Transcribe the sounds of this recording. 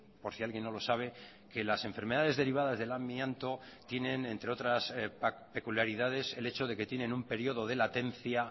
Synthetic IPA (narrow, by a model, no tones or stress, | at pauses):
po̞ɾsialɣje̞nːo̞lo̞saβ̞e̞ | ke̞lasẽ̞ɱfe̞ɾme̞ð̞aðe̞zðeɾiβ̞aðazðe̞lamiant̪o̞t̪je̞nẽ̞nẽ̞nt̪ɾe̞o̞t̪ɾaspe̞kuljaɾiðað̞e̞se̞le̞t͡ʃo̞ð̞e̞ke̞t̪je̞nẽ̞numpe̞ɾjo̞ðo̞ð̞e̞lat̪e̞nθja